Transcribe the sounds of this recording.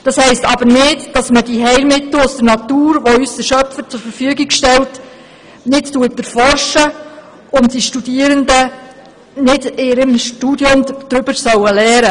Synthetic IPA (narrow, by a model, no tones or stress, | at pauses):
d̥ɑshɛɪstɑbəɾnɪdd̥ɑsmədiɦɛɪlmɪtl̩ʊsd̥̪əɾnɑtuːɾʋɔysdəʃœpfəɾt͡sʊɾfəɾfyəɡɪɡʃtɛlt | nɪttuətɛɾfɔrʃə | ʊntd̥iʃtud̥iəɾəndə | nɪdɪɾəmʃtudjʊmd̥ɾʏb̥əsœwəlɛːɾə